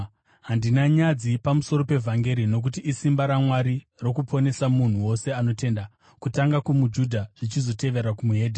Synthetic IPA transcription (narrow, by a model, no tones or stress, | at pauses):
ɦandinaɲad͡zipamuso̞ɾo̞pe̞vʱaŋɡe̞ɾino̞k̬utiʔisimbaɾamwaɾi | ro̞kupʰo̞ne̞samun̤uwo̞se̞ano̞te̞nda | kutaŋɡakumud͡ʒudʱaʐ̥it͡ʃizo̞te̞ʋe̞ɾakumuɦe̞ːdʱe